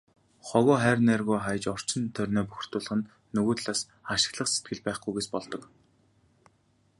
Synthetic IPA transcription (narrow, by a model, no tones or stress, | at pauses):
χɔɣɔːχæːrʲnærɣʊːχaj̆t͡ɕɔr̥t͡ɕɪ̆nt̪ʰœrʲnɔːpuxr̥t̪ʊːɮə̆χɘ̆nː | ɵɣoːt̪ɮaːs | aʃɪ̥̆ɣɮə̆χse̥t̪̚ɡɘ̆ɮpæːχɡujɣeːspɔɮt̪ɞ̆k